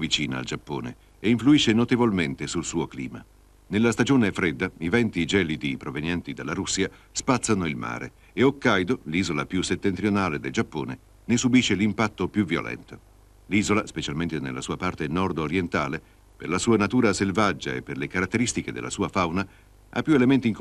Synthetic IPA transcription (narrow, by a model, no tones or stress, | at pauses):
vit͡ʃiːna̰ːld͡ʒapːo̰ːnḛ | eiɱfluiʃːenot̪evolment̪esulsuːoklḭːma̰ | nelːast̪ad͡ʒoːnefɾed̪ːaivɛnt̪id͡ʒɛːlid̪ipɾovenjɛnt̪id̪elːaɾusːiaspat̪sːanoilma̰ːɾḛ | eokːajd̪oliːzolapjuset̪ːent̪ɾionaːled̪eld͡ʒapːo̰ːne | nesubiʃːelimpat̪ːopjuvjo̰lʔɛ̰nt̪o | liːzolaspet͡ʃalment̪enḛlːasuːapart̪enɔrd̪oɾjent̪aːle | perlasuːanat̪uːɾaselvad͡ʒːa̰ḛpːerlekaɾat̪ːeɾist̪iked̪ḛlːa̰suːafawna | a̰pːjuelement̪iŋk